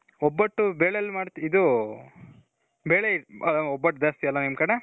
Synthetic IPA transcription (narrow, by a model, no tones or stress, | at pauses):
ɔbːɐʈːubeːɭeɐlːumaːɽt̪iid̪u | beːɭeiɐɔbːɐʈ̚ːd̪aːst̪iɐlːɐnimkɐɽe